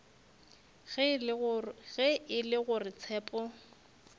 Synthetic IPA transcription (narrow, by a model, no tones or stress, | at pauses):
ɣ | ɣɛɪlɪɣʊrɪt͡sʰɛːpʼɔ